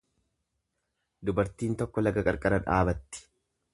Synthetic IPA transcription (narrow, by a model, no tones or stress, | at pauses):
d̪ʊbɐɾt̪iːnt̪ɔkːɔlɐɡɐkʼɐɾkʼɐɾɐᶑaːbɐt̪ːɪ̥